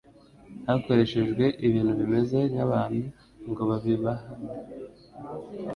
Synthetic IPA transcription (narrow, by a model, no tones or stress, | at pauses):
nako̞ɾe̞ʃe̞ʒɡwe̞ʔiβiːn̥huβime̞ze̞naβaːnhu | ŋɡo̞βaβiβaha